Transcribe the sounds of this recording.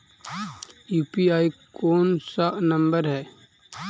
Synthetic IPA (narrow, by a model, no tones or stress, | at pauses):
juːpiaːikoːnsaʔnɐ̃mbəɾɦɛː